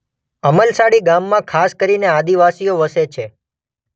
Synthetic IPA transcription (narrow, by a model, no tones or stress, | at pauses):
əməlsaɽiɡamːãkʰaskəɾinead̪iʋasijoʋəset͡ʃʰe